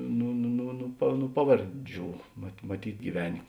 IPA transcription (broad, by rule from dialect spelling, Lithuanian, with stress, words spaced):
ˈnʊ nʊ nʊ nʊ pɐw nʊ ˈpɑːʋɐrʲˌd͡ʒʲuː mɐt mɐˈtʲiːtʲ ɡʲiːˈʋʲæːnʲeː